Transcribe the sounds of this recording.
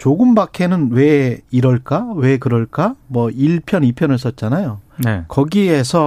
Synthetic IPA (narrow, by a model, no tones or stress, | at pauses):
t͡ɕoɡɯmbakʰe̞nɯnwe̞iɾʌɭk͈awe̞kɯɾʌɭk͈amwʌiɭpʰjʌnipʰjʌnɯɭs͈ʌt̚t͡ɕ͈anajonekʌɡie̞sʰʌ